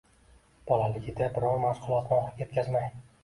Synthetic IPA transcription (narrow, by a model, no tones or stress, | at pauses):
b̥ɒlalɪɡʲɪd̪abɪɾɒnmaʃqʊlˠɒt̪ɒχlˠɪkʲje̞t̪̚kʲazmaj